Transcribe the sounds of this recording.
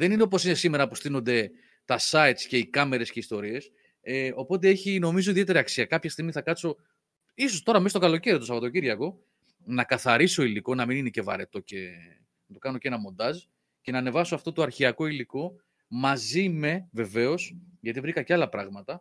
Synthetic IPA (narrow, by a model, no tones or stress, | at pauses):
ðe̞nineo̞p̬o̞sinesime̞ɾɐpost̪ino̞nd̪e̞ | t̪ɐsɐit̪sce̞ikɐme̞ɾe̞sceist̪o̞ɾie̞s | eo̞po̞t̪̬ee̞çino̞mizo̞iðie̞t̪e̞ɾiɐksiɐkɐpçɐst̪iɣmiθɐkɐt̪t͡so̞ | iso̞st̪o̞ɾɐmestokɐlo̞ce̞ɾiot̪usɐpo̞t̪oɟiɾʝɐko̞ | nɐkɐθɐɾiso̞iliko̞nɐminine̞ce̞vɐ̰ɾe̞t̪o̞ce̞ | nɐt̪o̞kɐno̞cenɐmo̞nd̪ɐz | ce̞nɐːne̞vɐsoɐft̪ot̪oɐɾçiɐko̞iliko̞ | mɐzime̞ve̞ve̞o̞sʝɐt̪ivɾikɐceɐlɐpɾɐɣmɐt̪ɐ